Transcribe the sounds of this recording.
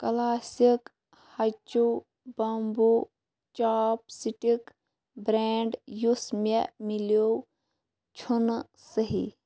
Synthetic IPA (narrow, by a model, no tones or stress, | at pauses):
kɐlaːsik | hɐt͡ʃo | bɐmbu | t͡ʃaːpsiʈik | bɾeːɳɖjusmemiljo | t͡ʃʰun | səɦḭ